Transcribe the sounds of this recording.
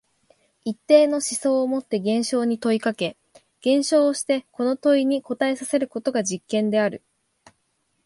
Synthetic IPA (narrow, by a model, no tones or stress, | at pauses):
it̪ːe̞ːno̞ɕiso̞ːomo̞t̪ːe̞ɡẽ̞ɰ̃ɕo̞ːɲ̟it̪o̞ikake̞ | ɡ̥ẽ̞ɰ̃ɕo̞ːɕi̥t̪e̞ko̞no̞t̪o̞iɲ̟iko̞t̪ae̞sase̞ɾɯ̟ko̞t̪o̞ɡad͡ʑikːẽ̞nd̪e̞aɾɯ̟